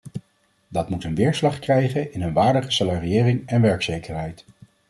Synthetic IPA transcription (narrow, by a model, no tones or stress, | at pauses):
dɑtmutənʋɪːɹslɑχkrɛjχənɪnənʋaːɹdəχəsalariɪːrɪŋɛnʋɛɹksejkəɹɦɛjt